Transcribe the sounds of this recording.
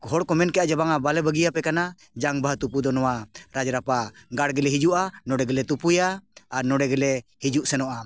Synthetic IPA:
ɦɔɽkɔmɛnkɛad͡ʒabaŋabalɛbəɡijapɛkana | d͡ʒaŋbaɦt̪upud̪ɔnɔwaɾad͡ʒɾapaɡaɽɡɛlɛɦid͡ʒuʔanɔɽɛɡɛlɛt̪upujaːnɔɖɛɡɛlɛhid͡ʒuʔsɛnɔʔa

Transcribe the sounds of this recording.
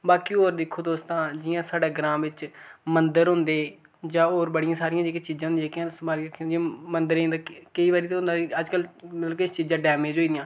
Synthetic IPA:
baːkiːoːɾd̪ɪkʰːoːt̪oːst̪ãːd͡ʒɪjãːsaːɖaːɡɾãːmʋɪt͡ʃmənd̪əɾɦʊ̃nd̪eː | d͡ʒãːoːɾbəɽɪjãːsaːɾɪjãːd͡ʒekɪt͡ʃiːzãːɦʊ̃nd̪aːkãːsmaːlɾəkʰːd͡ʒɪ̃mənd̪əɾẽːd̪aːkəiːʋaːɾiːt̪eɦʊ̃nd̪aːəd͡ʒkəlmət̪ləbkɪst͡ʃiːzãːɖɛːmeːd͡ʒɦoːiːd̪ɪjãː

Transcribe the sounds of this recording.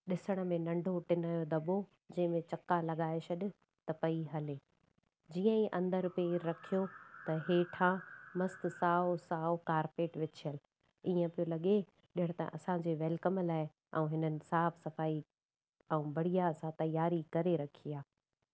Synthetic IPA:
ɗɪsəɽ̃ə̆mẽnɐ̃ɳɖʱoʈɪnaːjod̪ɐbo | d͡ʑɐ̃ɦɪ̃mẽt͡ɕɐkːalɐɠaːeɕɐɗʊ̆ | t̪ɐpɐiɦɐleː | d͡ʑiːə̃ĩʔɐ̃nd̪əɾʊpeiɾːɐkʰijot̪ɐɦeːʈʰãːmɐst̪ɪ̆saːosaːokaːɾpeːʈʋɪt͡ɕʰijəl | iə̃pijolɐɠe | ɗɪɦɪ̃ɽ̃t̪ɐ̰ʔɐsãd͡ʑeːʋɛlkəmlaːɪ | ɛ̃ũɦɪnənɪ̆saːfʰsɐfaːi | ɛũːbɐɽ̤ijasãt̪ɐjaːɾikɐɾeɾɐkʰiːaː

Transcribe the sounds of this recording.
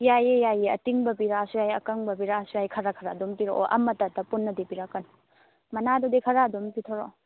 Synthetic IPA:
jajejajeɐ̰tiŋbɐbiɾasujajɐkɐŋbɐbiɾasujajkʰɐɾakʰɐɾadumpiɾo̰ʔo̰ʔɐ̰mːɐtatɐpunːɐdipiɾakːɐn | mɐnadɔdikʰɐɾadompitʰoɾo̰

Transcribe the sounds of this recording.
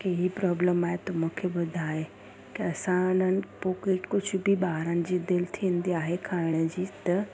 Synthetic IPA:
keɦipɾɔːbləmaːɦet̪ɐmũːkʰeɓʊd̪ʱaːɦe | kiɐsãʊn̤ənɪ̆poːkekʊd͡ʑʱʊ̆bɪɓaːɦɾənɪ̆d͡ʑiːd̪ɪlɪt̪ʰĩːn̆d̪iaːɦekʰaːɽɪɽ̃əd͡ʑiːt̪ɐ

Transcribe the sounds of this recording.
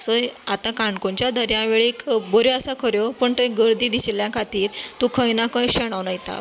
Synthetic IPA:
səat̪ãkãɳkoɲt͡ɕjad̪ʱəɾjãʋeɭiːkbəɾeəsakʰəɾjopəɳt̪əeɡəɾd̪iːd̪iseljãkʰat̪iːɾt̪ũkʰəjnakə̃jɕəɽ̃aʋnajt̪a̰

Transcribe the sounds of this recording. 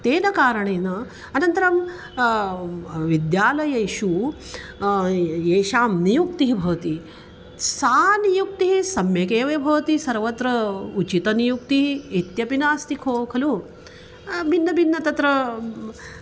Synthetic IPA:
t̪eːnɐkaːɾɐɳeːnɐ | ɐnɐnt̪ɐɾɐm | ʋid̪jaːlɐjɐjʃu | eːʃaːmnijuk̚t̪iɦibʱɐʋɐt̪i | saːnijuk̚t̪iɦisɐmjɐkeːʋɐjɐbʱɐʋɐt̪isɐɾʋɐt̪ɾɐut͡ʃit̪ɐnijuk̚t̪iɦiːt̪jɐpinaːst̪ikʰoːkʰɐlu | bʱinːɐbʱinːɐt̪ɐt̪ɾɐ

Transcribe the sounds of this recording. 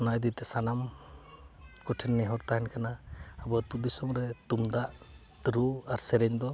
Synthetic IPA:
najd̪it̪ɛsanam | kuʈʰɛnːɛɦɔɾt̪aɦɛnkʰanaːbɔt̪ubisɔŋɾɛt̪umd̪aʔ | t̪ɾuaɾsɛɾɛɲd̪ɔ

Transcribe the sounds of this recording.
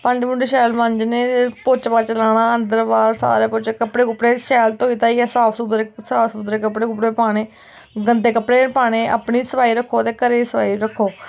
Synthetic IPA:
pəɲd͡ʒmʊ̃ɳɖʃɛːlməɲd͡ʒneːpʊt͡ʃbaːt͡ʃəlaːɽãːənd̪əɾbaːɾsa̰ːɾeːpʊt͡ʃekəpɽeːkʊpːɽeːʃɛːlt̪oːiːt̪aːiːɛːsaːpʰsubɾesaːsud̪ɾeːkəpɽeːkʊpɽeːpaːɽeː | ɡənd̪eːkəpɽeːpaːɽ̃eːʔa̰pɳiːsəpaːiːɾəkʰːoːt̪eːkəɾeːsəpaːiːɾəkʰːoː

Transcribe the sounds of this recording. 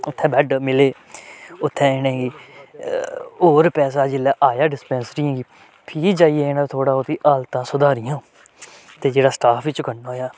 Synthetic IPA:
ʊt̪ʰːɛ̃ːbɛɖmɪleː | ʊt̪ʰːɛ̃ːeːnɛ̃ːɡiː | oːɾpɛːsaːd͡ʒɪlːaːʔaːjaːɖɪspɛ̃ːnsɾiãːɡiː | pʰiːd͡ʒaːieɪñãːt̪ʰoːɽaːot̪iːʔaːlt̪ãːsʊd̪aːɾɪjãː | t̪eːd͡ʒeːɽaːsʈaːpʰit͡ʃkənoːjaː

